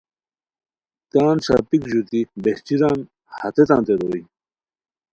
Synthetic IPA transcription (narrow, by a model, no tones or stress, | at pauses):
kaːnt͡ɕa̰ːpikd͡ʑut̪ibeht͡ɕiɾãːn | hɐt̪et̪ãːnt̪eɾoːi